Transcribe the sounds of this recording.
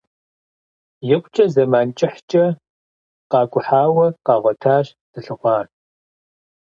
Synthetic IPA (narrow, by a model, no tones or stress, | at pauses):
jɪqʷʼt͡ʃʼɐzɐmaːnt͡ʃʼɪħt͡ʃʼɐ | qɑːɡʷʼʊħaːwɐqɑːʁʷɔtʰaːɕ | d̥ɨɬɨχʷɑːr